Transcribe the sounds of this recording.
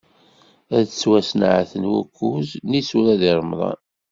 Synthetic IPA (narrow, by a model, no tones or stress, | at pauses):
æðt͡sːwæsn̰ʕaθənwækːuznisuɾæðiɾˤmðˤɑ̰n